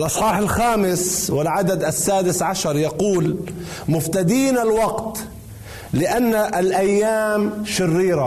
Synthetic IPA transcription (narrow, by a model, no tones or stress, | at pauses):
lʔɑsˤħɑːħɪlxaːmɪswɪlʕad̪ad̪ʔasːaːd̪ɪsʕaʃɑɾˤjɑquːlmʊft̪ad̪iːnalwɑɡt̪ | lɪʔanːaʔlʔajːaːmʃɪrːiːɾa